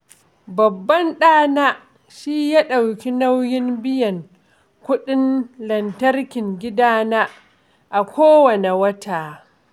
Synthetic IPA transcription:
bɐ˨bːɐ˦nɗaː˦naː˦ | ʃi˦jaː˦ɗa˨wkʲi˦na˦wjɪ˦nbɪ˦jɐ˨ŋ | kʷʊ˦ɗɪ˦nlɐ˨ntɐ˦rkʲɪ˨ŋɡʲɪ˦daː˦na˦ | ʔa˨kʷʰoː˦wɐ˨ne˨wɐ˦taː˨

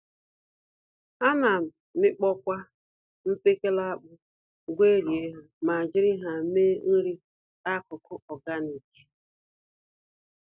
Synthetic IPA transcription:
a˦na˨ | mɪ˦k͡pɔ˦kʷa˦ | m̩˦pe˦ke˦la˦a˦k͡pʊ˦ | ɡʷe˦ɾje˦ɦa˨ma˨a˨d͡ʒɪ˦ɾɪ˦ɦa˨meː˦n̩˦ɾi˦ | a˦˨kʊ˨kʰʊ˦ɔ˨ɡa˦ni˨ki̥˨

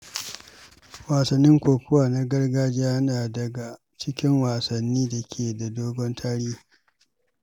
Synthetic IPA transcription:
waː˨sɐ˨nːɪ˦ŋkʷoː˨kʷʊ˦waː˨na˦ɡɐ˦rɡaː˦d͡ʒiː˦ʔa˦naː˨dɐ˨ɡa˨ | t͡ʃɪ˦kʲɪ˦ŋwaː˨sɐ˨nːiː˦da˨kʲʰeː˨da˨doː˦ɡʷɔ˦ntʰaː˦ɽiː˦

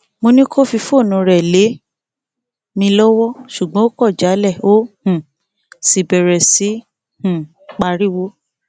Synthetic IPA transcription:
mo˧nĩ˦kʰo˦fi˧fo˦˨nũ˨˧ɾɛ˨le˨˦ | mĩ˧lɔ˦wɔ˦ʃu˨ɡ͡bɔ̃˨˦o˦kɔ˦˨d͡ʒa˨˦lɛ˦˨o˦hũ˨ | si˨bɛ˨ɾɛ˨si˨˦ | hũ˨ | k͡pa˧ɾi˦wo˦

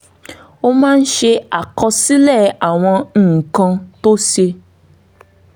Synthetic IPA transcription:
o˧mãː˦˧n̩˦ʃe˧a˨kɔ˧si˦lɛ˦˨a˨w̃ɔ̃˧ñ̩ː˨kã˧to˦ʃe˧

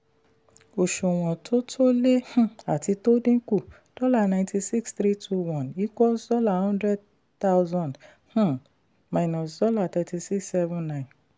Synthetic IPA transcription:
o˨ʃo˨w̃ɔ̃˨tʰo˦tʰo˦le˦h̩˦˨a˨ti˧to˦dĩ˦ku˦˨ | d̥ɔ˦la˦˨nã˨nti˧si˦kstɾi˦tʰu˧wɔ̃˨ni˦kɔ˦sdɔ˦la˦˨hɔ̃˦ndɾɛ˦d̚ | ta˦wzɔ̃˨nd | h̩˦˨ | ma˨nɔ̃˨sdɔ˦la˦˨t̪ɛ˧ti˧si˦ksːɛ˦vũ˦nã˦˨ɪ̃˨n

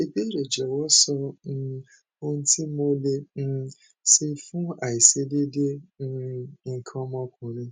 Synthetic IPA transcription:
e˨be˦ɾe˨d͡ʒɛ˨wɔ˦sɔ˧˦ | o˦ñ̩˦ti˦mo˦le˧˦ | si˦fũ˦a˨i˨se˦de˦de˦ | ŋ̩˨kʰɔ̃˦mɔ̃˦kʊ̃˨ɾ̃ũ˦

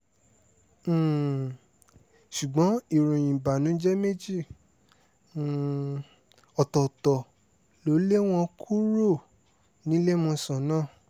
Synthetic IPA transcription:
ʃu˨ɡ͡bɔ̃˨˦i˦˨ɾũ˨jĩ˨ba˨nũ˨˦d͡ʒɛ˦me˦˨d͡ʒi˦˨ | ɔ˨tɔ˨tɔ˨ | lo˨˦le˦w̃ɔ̃˧kʰu˦ɾo˦˨ | nĩ˨˦le˦mɔ̃˧sã˨nãː˦˨

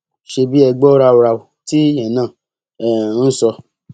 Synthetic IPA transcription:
ʃe˧bi˦ɛ˧ɡ͡bɔ˦ɾa˧o˧ɾa˧˨u˨ti˦jɛ̃˨nãː˦˨ | ɛ˨˦n̩˦sɔ˧

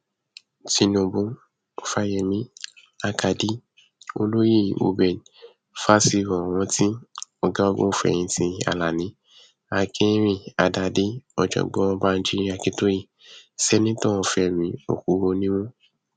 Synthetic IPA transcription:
ti˧nõ˧bõ˧ | ɔ˨fa˦jɛ˨mĩ˦ | a˧ka˨di˦ | o̰˧lo˦ji˦˨o̰˧bɛ˨ | fa˦si˦˧ɾɔ̃˨w̃ɔ̃˧ti˦ɔ˧ɡa˦o˧ɡũ˦˨fɛ̰̃˨ĩ˧tĩ˧a̰˧la˨nĩ˨˦ | a˨kʰĩ˦ɾ̃ĩ˧˨a˨da˧˨de˦ɔ̰˧˨d͡ʒɔ̰˧˨ɡ͡bɔ̃˦ɔ̃˧ba˦n̩˦d͡ʒi˦ɾi˦a˨kĩ˦to˦ji˦˨ | sɛ˦nĩ˦tɔ̃˦ɔ˧fɛ˧˨mĩ˨˦o̰˨ku˨˦ɾo˧nĩ˦wɔ̃˦

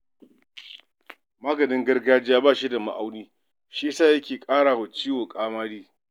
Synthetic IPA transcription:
maː˦ɡɐ˨nɪ˦ŋɡɐ˦rɡaː˦d͡ʒɪ˦jaː˦baː˦˨ʃi˦da˨ma̰˨ʔa˦wniː˦ | ʃi˦saː˦˨jɐ˦kʲeː˨kʼaː˦ɽaː˨wɐ˨t͡ʃiː˦woː˨kʼaː˦maː˦ɽiː˦

